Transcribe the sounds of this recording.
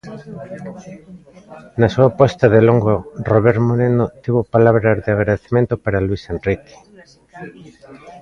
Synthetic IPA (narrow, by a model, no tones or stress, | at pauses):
nasuapɔst̪aðeloŋɡoroβeɾtmoɾenot̪iβopalaβɾazðeaɣɾaðeθemẽnt̪opaɾalwisenrike̥